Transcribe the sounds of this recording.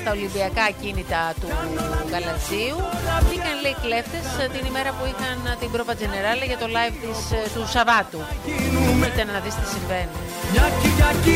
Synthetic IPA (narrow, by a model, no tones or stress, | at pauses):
st̪ɐo̞limbiɐkɐcinit̪ɐt̪uɣɐlɐt͡siuikɐnleikle̞ft̪e̞st̪inime̞ɾɐpuixɐnt̪ibɾo̞vɐd͡ʑeneɾɐlɐʝɐt̪o̞lɐjvt̪ist̪usɐvɐt̪u | it̪ɐnɐðist̪i̥siɱve̞nu | ɐɐ